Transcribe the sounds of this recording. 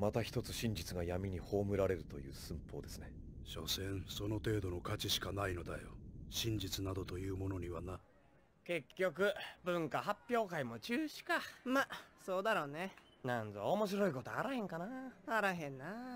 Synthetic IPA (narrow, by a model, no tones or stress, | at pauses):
mat̪açi̥t̪o̞t͡sɨ̥ɕĩɲ̟d͡ʑit͡sɨɡajamʲiɲ̟iho̞ːmɯ̟ɾaɾe̞ɾɯ̟t̪o̞̰jɯ̟̰ːsɨ̃mpo̞ːd̪e̞sɨne̞ | ɕo̞̰sẽɰ̃so̞no̞t̪e̞ːd̪o̞no̞kat͡ɕiɕi̥kanaino̞d̪ajo̰ɕĩɲ̟d͡ʑit͡sɨnad̪o̞t̪o̞jɯ̟ːmo̞no̞ɲ̟iβana | ke̞kʲːo̞k̬ɯ̟bɯ̟̃ŋkaɦapʲːjo̞ːkaimo̞t͡ɕɨːɕi̥kamasoːd̪aɾoːne | nãnzoomo̞ɕ̬iɾo̞iko̞t̪o̞aɾahẽ̞ŋkanaaɾaɦẽ̞nːa